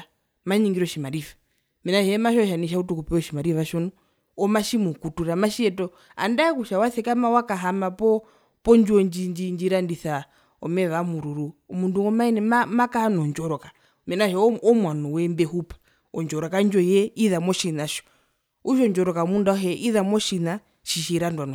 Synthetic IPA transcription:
maɲiŋɡiɾɔʃimaɾifḁ | mɛnaʃɛmaʃɔʃaniʃ̬autukupɛɔʃimaɾifaʃɔnɔ | ɔmaʃimukutuɾamaʃiɛtɔ | a̰ndakuʃawaθɛkamawakaɦamapɔ | pɔnd͡ʒɔɲd͡ʒiɲd͡ʒiɲd͡ʒiɾandiθa | ɔ̰mɛβamuɾuɾumunduɔmanɛamakanɔnd͡ʒɔɾɔka | mɛnaʃɔɔmwanɔwɛmbɛhupḁ | ɔnd͡ʒɔɾɔkand͡ʒɔjɛiðamɔʃinaʃɔ̥ | uʃɔnd͡ʒɔɾɔkamundaɦɛʔiðamɔʃina | ʃiʃiɾandwanɔ

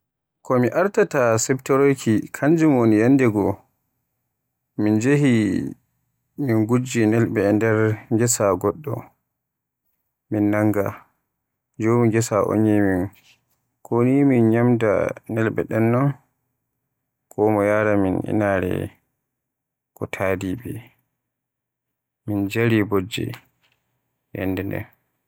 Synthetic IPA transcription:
kɔmiʔaɾtatasɛbtɔɾojkʰikʰand͡ʒumonijandɛɡɔ | mind͡ʒeɦi | minɡud͡ʒinɛlbɛndɛɾŋɡɛsaɡɔɗːɔ̰ | minːaŋɡa | d͡ʒomiɡɛsaʔo̰ɲːimin | kʰoniminɲamda̰nɛlɓɛ̰ɗɛnːɔn | kʰɔmɔjaɾaminḭnaːɾɛ̰ | kɔtʰaːdibɛ | mind͡ʒaɾibod͡ʒːḭ | jɛ̰nːdɛndɛ̰n

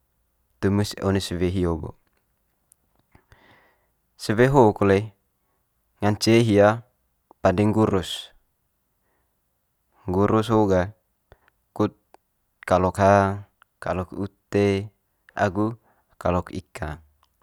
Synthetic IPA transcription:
t̪umusonesəweɦioɡo̰ | səweɦokole | ŋant͡ʃeɦia | padɛŋɡuɾus | ŋɡuɾusɦoɡa | kut̪̚ | kalɔkɦa | kalɔkut̪e | a̰ɡu | kalɔkḭka

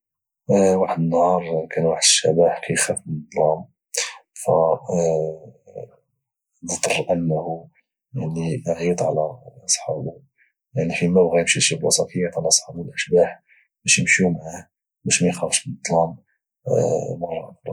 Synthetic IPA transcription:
waħəd̪ənːhɑɾˤkʰænwaħəd̪əʃæ̰baħkʰæjxæfbnd̪ˤlɑm | fæ | d̪ˤt̪əɾˤʔənːhu | jaʕninʕit̪ˤʕlæʔɑsˤħɑb | jaʕnifimæbɣæjəmʃiʃiblɑsˤɑfijːɑt̪ʕlæɑsˤħɑblʔəʃbaħ | bæʃjəmʃumaʕa | bæʃmæjxæfʃbəd̪ˤːlɑm | bəɣrˤɑɾˤ

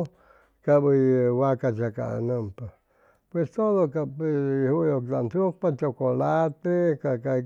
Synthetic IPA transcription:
kabɨjwakat͡ʃaka̰nə̃mpa | pwest̪oðokaphujokt̪antuk̚pat͡ʃokolat̪ekaka

